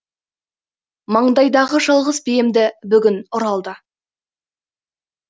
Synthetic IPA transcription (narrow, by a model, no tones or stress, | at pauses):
mɑɴd̪ɑjd̪ɑʁəʒɑlˠʁəzbejɪmd̪ɪbʏɡʲɪnʊɾɑlˠd̪ə